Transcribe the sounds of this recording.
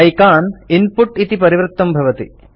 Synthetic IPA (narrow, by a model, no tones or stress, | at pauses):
ɐjkaːnɪnpʊʈit̪ipɐɾɪʋɾɨt̪ːɐmbʱɐʋɐt̪ḭ